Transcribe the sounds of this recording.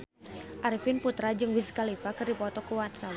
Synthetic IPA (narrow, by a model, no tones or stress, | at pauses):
ʔaɾifɪnput̪ɾad͡ʒɨŋwiskalipakɨrdipɔt̪ɔkuwat̪ɾa